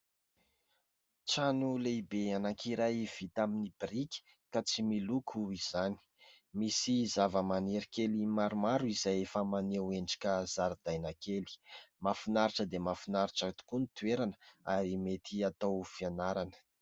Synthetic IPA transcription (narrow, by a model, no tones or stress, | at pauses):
t͡sanulebeanakʰiɾajv̥it̪aminib̥rikʲi̥ | kat͡similukʰuiz̥ani̥ | misizavəmaneɾikelimaɾumaɾuizajefəmaneweɳɖ͡ʐi̥kʲaz̥aɾd̪̥ajnakeli̥mafinaɾiʈ͡ʂəd̪emafinaɾiʈ͡ʂət̪u̥kunit̪uweɾanəaɾimet̪ʰiat̪awfianaɾanə̥